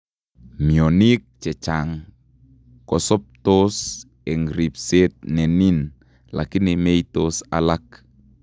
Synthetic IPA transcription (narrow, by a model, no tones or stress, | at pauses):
miɔnik̚t͡ʃɛt͡ʃaŋ | kɔsɔp̚t̪os | ɛŋɾip̚set̪̚nɛnin | la̰kinimejt̪osa̰lak̚